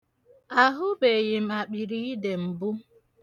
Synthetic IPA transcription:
a˦ɦʊ˦be˨je˨m̩˨a˨k͡pi˨ɾi˦i˦de˨m̩˨bʊ˦

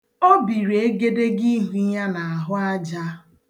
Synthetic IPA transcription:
o˦bi˨ɾe˦ɡe˦de˦ɡi˦ɦu˦ja˦na˨a˨ɦʊ˦a˦d͡ʒa˦

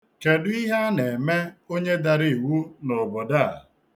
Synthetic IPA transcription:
ke˨dʊ˦i˦ɦa˦ne˨me˦o˦ɲe˦da˨ɾi˦˨wu˦no˨bɔ˨da˦˨

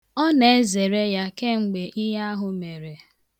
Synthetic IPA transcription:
ɔ˦ne˨e˦ze˨ɾe˦ja˦ke˦ŋ͡m̩˨ɡ͡be˨ʔi˦ɦa˦ɦʊ˨me˨ɾe˨

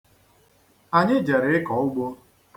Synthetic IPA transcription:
a˨ɲɪ˦d͡ʒe˨ɾɪ˨ɪ˦kɔ˨ʊ˦ɡ͡bo˦

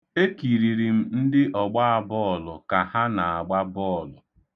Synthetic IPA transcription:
e˦ki˨ɾi˨ɾi˨m̩˦n̩˦dɪ˦ʔɔ˨ɡ͡ba˦a˨bɔː˦ɔ˨lʊ˨ka˨ha˦na˨a˨ɡ͡ba˦bɔː˦˨lʊ˨

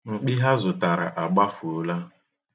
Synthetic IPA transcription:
ŋ͡m̩˨k͡pi˦ɦa˦zʊ˨ta˨ɾa̰˨ʔa˨ɡ͡ba˦fu˨˦la˦

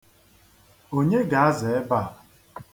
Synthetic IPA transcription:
o˦ɲe˦ɡa˨a˦ze˨e˦ba˦˨

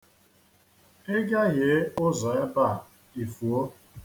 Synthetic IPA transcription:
e˦ɡa˦ɣje˨˦ʊ˦zɔ˨e˦ba˦˨ | i˨fu˨o˦

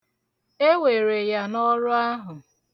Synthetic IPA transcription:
e˦we˨ɾe˨ja˦nɔ˦ɾʊ˦a˦ɦʊ˨

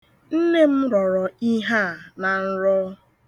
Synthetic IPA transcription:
n̩˦ne˦m̩˦ɾɔ˨ɾɔ˨i˦ɦa˦˨na˨n̩˦ɾɔ˦

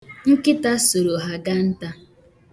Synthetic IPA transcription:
ŋ̩˦kɪ˦ta˦so˨ɾo˨ɦa˦ɡa˦n̩˦ta˦

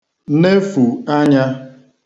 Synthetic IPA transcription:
ne˦fu˨a˦ɲa˦

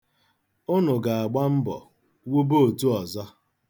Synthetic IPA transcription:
ʊ˦nʊ˨ɡa˨a˨ɡ͡ba˦m̩˦bɔ̰˨ | wu˦bo˦o˨tu˦ɔ˨zɔ˦

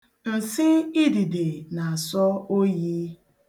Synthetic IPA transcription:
n̩˨si˦i˦di˨de˨na˨a˨sɔ˦o˦ji˦

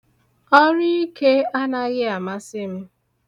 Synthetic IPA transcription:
ɔ˦ɾi˦i˦ke˦a˦na˦ɣɪ˦a˨ma˦sɪ˦m̩˦

